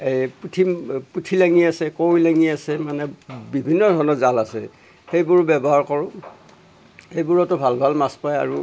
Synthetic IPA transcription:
eputʰiputʰilaŋiasɛkowilaŋiasɛmanɛbibʱinːɔdʱɔɹnɔzalasɛ̰ | xejbʊɹbɛbɔɦaɹkɔɹʊ̃ | hejbuɹɔtɔbʱalbʱalmaspaja̰ɹu

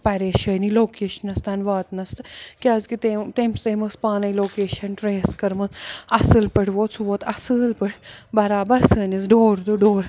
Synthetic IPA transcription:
pɐɾeːʃɐjniloːkeːʃɐnɐst̪aːnʋaːt̪nɐst̪ɨkʲaːzkit̪et̪eːmst̪eːmɨspaːnɐjloːkeːʃɐnʈɾeːskɐɾmɐsɐsɨlpəɽʋoːt̪t͡sʰuʋot̪ɐsɨlpɨɽbɐɾaːbɐɾsəːnʲisɖoːɾd̪uɖoːɾ

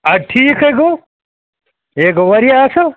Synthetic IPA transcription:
ɐʈʰiːkeːko | eːkoʋɐɾijaso

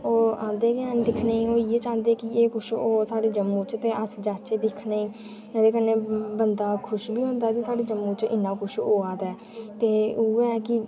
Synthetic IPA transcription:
oːãːnd̪eːkeənd̪ɪkʰnaːiːoːiːeːt͡ʃãːnd̪eːkɪeːkʊʃoːsaːɖeːd͡ʒəmːũːt͡ʃt̪eːəsd͡ʒaːt͡ʃeːd̪ɪkʰnaːiː | nɛ̃d̪eːkənẽːbənd̪aːkʰʊʃbiːɦõːnd̪aːk̪isaːɖeːd͡ʒəmːũːt͡ʃɪnːãːkʊʃoːaːt̪ɛː | t̪eːuːkɪ

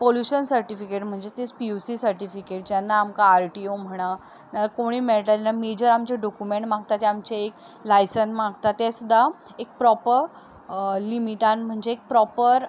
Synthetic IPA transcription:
poljuɕənsəɾʈifikeʈm̤əɳd͡zet̪espiusisəɾʈifikeʈ̚d͡ʑjanːaːmkaːɾʈiom̤əɽ̃a | nalakoɽ̃iːmeɭʈanamed͡ʑəɾamt͡ɕeɖɔkumẽɳʈmãɡt̪at̪eamt͡ɕeek | lajsənsmãɡt̪at̪esud̪ʱːa | ek̚pɾɔpəɾ | limiʈãnm̤əɳd͡ʑeːk̚pɾɔpəɾ

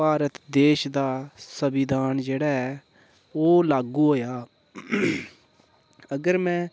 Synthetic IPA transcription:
aːɾət̪d̪eːʃd̪aːsəbɪd̪ʱaːnd͡ʒeːɽaːɛː | oːlaːɡuːɦoːjaː | əɡəɾmɛ̃ː

